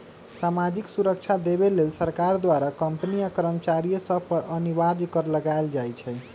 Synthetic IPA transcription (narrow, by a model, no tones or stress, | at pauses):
samad͡ʒiksuɾək̚t͡ʃʰad̪ebelelsəɾkaɾd̪waɾakəmpniakəɾəmt͡ʃaɾijəsəpəɾənibaɾd͡ʒkəɾləɡaeld͡ʒajt͡ʃʰɛ